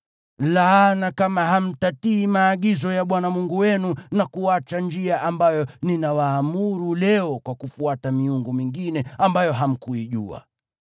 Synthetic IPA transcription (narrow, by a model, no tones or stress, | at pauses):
lanakamaɦam̩tatiːmaːɠizɔjaɓwanamuŋɡuwɛnunakuat͡ʃand͡ʒiaʔambajɔninawaːmuɾulɛɔkwakufuatamiuŋɡumiŋɡinɛambajɔɦam̩kuiʄua̰